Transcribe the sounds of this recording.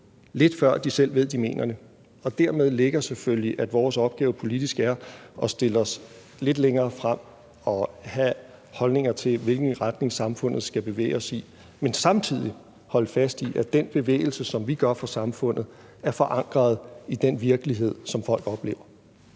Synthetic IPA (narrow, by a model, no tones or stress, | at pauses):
le̝d̥fɶɐ̰d̥isel̰ʋe̝ð̞̰ˠd̥ime̝̰ːnʔɐde | ɒ̽d̥æɐmeð̞ˠle̝ɡ̥ɐsefølliʔæd̥ʋɒːsɒ̽b̥̚ɡ̥ɛːʊpʰo̝lid̥isɡ̥æɐɒ̽sd̥e̝lɒ̽s | le̝d̥leŋɐːfʁam̰ | ɒ̽hæ | hɒ̽lne̝ŋɐt͡sʰe̝lʋe̝lɡ̥n̩ʁad̥ne̝ŋsɑ̈mfɔ̽n̰ð̞̩ˠsɡ̥æb̥e̝ʋḛːɪɒ̽si | mensɑ̈mt͡sʰið̞̰ˠi | hɒ̽lfæsd̥iʔæd̥enb̥e̝ʋḛːɪl̩səsɒ̽mʋiɡ̥ɶɐfɒ̽sɑ̈mfɔ̽n̰ð̩ˠ | æɐfɒ̽ʔɑ̈ŋ̰ɡ̥ʁɐð̞̩ˠid̥enʋiɐɡ̥əliɦe̝ð̞̰ˠsɒ̽mfɒ̽l̰ɡ̥ɒ̽b̥le̝ːʊɐ